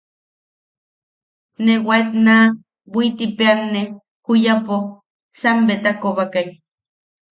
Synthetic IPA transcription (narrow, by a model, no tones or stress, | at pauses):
newat̪na | bʷit̪ipeanːe | kujapo | sambet̪akoβakaj